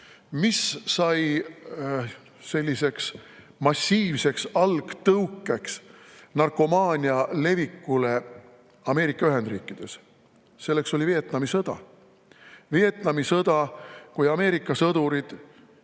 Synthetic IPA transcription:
missɑj | se̞lʲːise̞ks | mɑsʲːiːvse̞ksɑlɡ̥t̪ɤwkːˑeksnɑrko̞mɑːnʲiɑle̞vikːule̞ | ɑme̞ːɾikːˑɑyɦe̞nd̪rɾiːkːˑid̪̥e̞s | se̞lːe̞kso̞lʲivie̞t̪nɑmisɤd̪̥ɑ̰ | vie̞t̪nɑmisɤd̪̥ɑkujɑme̞ːɾikˑːɑsɤd̪̥uɾid̪̥

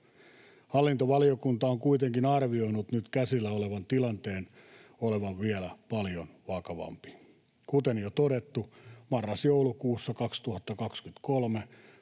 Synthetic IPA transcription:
hɑlːint̪oʋɑliokunt̪ɑoŋkuit̪eŋkinɑrʋio̞inut̪nyt̪kæsilːæoleʋɑnt̪ilɑnt̪eːnoleʋɑʋʋielæpɑljonʋɑkɑʋɑ̰mpi̥ | kut̪enjot̪odet̪ːumɑrːɑsjoulukuːsːɑkɑkst̪uhɑt̪ːɑkɑkskyt̪kolme

